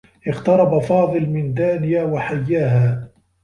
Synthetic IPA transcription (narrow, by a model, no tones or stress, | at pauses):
ʔɪɣt̪ɑɾˤɑbafɑːðˤɨlmɪnd̪aːnɪjaːwaħajːaːɦaː